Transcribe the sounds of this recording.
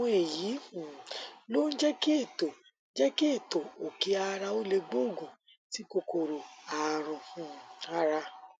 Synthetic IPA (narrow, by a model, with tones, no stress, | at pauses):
ɔ̃˦e˨ji˨˦˨lo˦n̩˦d͡ʒɛ˦ki˦e˦˨to˨˦ | d͡ʒɛ˦ki˦e˦˨to˨o˨ki˧a˧ɾa˧o˦le˧ɡ͡bo˦˨ɡo˨ | ti˨˦ko˧ko˨ɾo˨a˨˧ɾɔ̃˧˨a˧ɾa˧